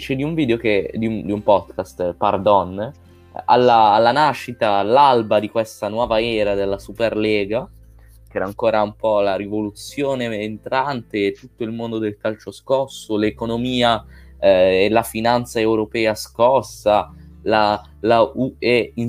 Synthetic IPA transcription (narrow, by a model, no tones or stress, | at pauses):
t͡ʃed̪iuɱviːd̪eoked̪iund̪iumpɔd̪kast̪pard̪ɔn | alːaːlːanaʃːit̪alalbad̪ikwest̪anwɔːvaɛːɾad̪elːasuperlɛːɡa | k̟ɛːɾaŋkoːɾaumpɔlaɾivolut̪sjoːneːnt̪ɾant̪eːt̪ːut̪ːoilmond̪od̪elkalt͡ʃoskɔsːolekonomiːa | elafinant̪saewɾopɛːaskɔsːala | lauei